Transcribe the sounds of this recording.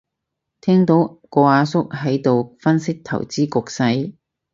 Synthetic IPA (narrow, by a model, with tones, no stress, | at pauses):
t̪ʰɛː˥ŋt̪o˨˥wkɔː˧aː˨˧sʊ˥k̚ɦɐ˨˥jt̪o˨wfɐ˥nsɪ˥k̚t̪ʰɐ̰˨˩wt͡siː˥kʊ˨˧k̚sɐ˧j